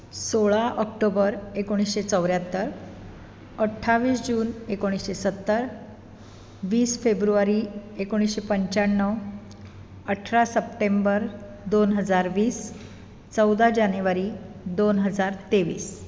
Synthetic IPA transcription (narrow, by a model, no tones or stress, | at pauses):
soɭaʔək̚ʈobəɾekoɽ̃isɕet͡səwɾjat̪ːəɾ | əʈʰːaʋiːsd͡ʑuːnekoɽ̃isɕesət̪ːəɾ | ʋiːsfebɾuʋaɾiekoɽ̃isɕepəɲt͡ɕaɳːəw | əʈʰɾasəpʈembəɾ | d̪onɦəd͡zaɾʋiːs | t͡səwd̪ʱad͡ʑanjuʋaɾi | d̪onɦəd͡zaɾt̪eʋḭːs